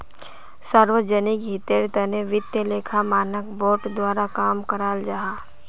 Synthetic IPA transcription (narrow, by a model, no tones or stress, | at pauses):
səɾʋəd͡ʒənikɦit̪eːɾt̪əneʋɪt̪jəleːkʰamaːnəkboːʈd̪waːɾakaːmkəɾaːld͡ʒaːɦaː